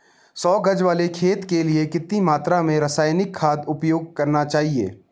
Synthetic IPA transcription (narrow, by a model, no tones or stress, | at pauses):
sɔːɡəd͡ʒʋaːlekʰeːt̪keliekɪt̪nimaːt̪ɾamẽɾəsaːjnɪkʰːaːd̪ʊpjoːɡ̚kɐɾnat͡ʃaːɦiḛː